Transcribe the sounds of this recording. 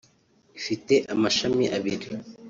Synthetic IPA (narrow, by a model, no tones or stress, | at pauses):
ifite̞ʔamaʃamiʔaβiɾi